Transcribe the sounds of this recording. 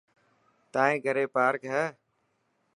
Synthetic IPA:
t̪aːɦẽːɡʱəɾeːpaːɾkɦɛː

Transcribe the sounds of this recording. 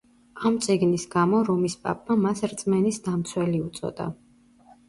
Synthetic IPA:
amt̪sʼiɡnisɡamɔɾɔmispʼa̰pʼːamasɾt̪sʼmɛnisd̪amt̪sʰwɛliut̪sʼɔ̰d̪̥a̰

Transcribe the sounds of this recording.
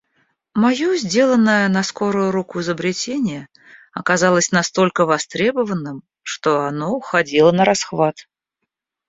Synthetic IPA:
mɐjozʲdʲe̞lˠənːəjənɐsko̞ɾʊjʊɾukʊɪzəbɾʲɪtʲenʲɪjə | ɐkɐzɑlˠəsʲnɐst̪o̞lʲkəvɐst̪ɾʲe̞bəvənːɨm | ʂt̪o̞ɐnoxɐdʲilˠənəɾasxvat̪

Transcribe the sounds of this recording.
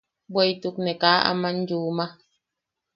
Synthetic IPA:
bwɛjtuk̚nɛkaːa̰man̩d͡ʒuːma

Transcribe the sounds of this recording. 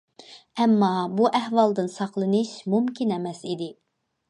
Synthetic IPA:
ɛmːɑbuʔɛhwɑlˠd̪ɨnsɑχlˠɨnɨʃmumkʲʰinɛmɛsid̪ɪ

